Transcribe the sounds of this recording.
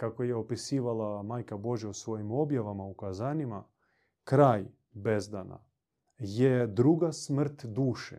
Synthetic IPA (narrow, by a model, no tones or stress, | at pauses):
kakojeo̞pisiːʋalˠamaːjkabo̞ʒjausʋo̞jimo̞bjaʋamaukazanima | kɾaːj | bezd̪ana̰ | jed̪ɾuɡasmr̩t̪d̪uːʃḛ